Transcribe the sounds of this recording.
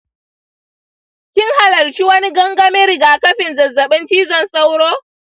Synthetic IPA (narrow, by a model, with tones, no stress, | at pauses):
kʲɪ˦ŋɦa˨lɐ˨lt͡ʃi˦wɐ˦ni˦ɡɐ˦ŋɡɐ˦me˦ɾɪ˨ɡaː˨kɐ˦ɸɪ˨nzɐ˨zːɐ˨ɓɪ˦ntiː˦zɐ˨nsʼɐ˦wɾoː˦